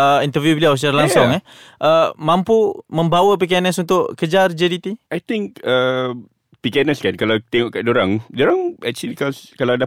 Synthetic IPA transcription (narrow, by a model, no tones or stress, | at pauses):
əint̪əvjubiliaws̬t͡ʃaɾalaŋsʊŋɛ | ʔəmãmpumə̃mbawəp̬ikianəsunt̪ʊʔkəd͡ʒard͡ʒədit̪iajt̪ɪŋkə | pikanəskankalawt̪eŋɔʔkaʔdoɾaŋdoɾaŋɛk̚t͡ʃəlikɔskalada